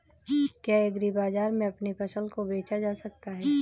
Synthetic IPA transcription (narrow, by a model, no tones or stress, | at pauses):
kjaːeɡɾibaːzaːɾmẽɐpnefɐʃəlkobeːt͡ʃad͡ʒaːsɐk̚t̪aɦɛɛː